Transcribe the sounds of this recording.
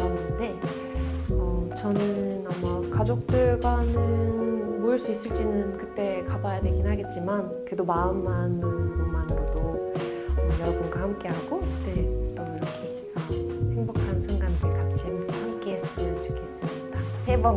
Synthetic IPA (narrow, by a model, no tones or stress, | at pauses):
ʌnnɯnde̞ | ʌt͡ɕʌnɯnamːakad͡ʑok̚t͈ɯɭɡanɯnmoiɭs͈uis͈ɯɭt͡ɕ͈inɯnkɯt͈e̞kabajade̞ɡinɦaɡe̞t̚t͡ɕ͈iman | kwe̞domaɯmːanɯnbomanɾodo | jʌɾʌbunɡahamk͈e̞ɦaɡokɯt͈e̞t͈oiɾʌkʰe | ʌhe̞ŋbokʰansʰɯŋɡandɯɭkamt͡ɕʰiemutʰohamk͈e̞ɦes͈ɯmjʌnt͡ɕu̥kʰe̞s͈ɯmɲidasʰe̞bʌ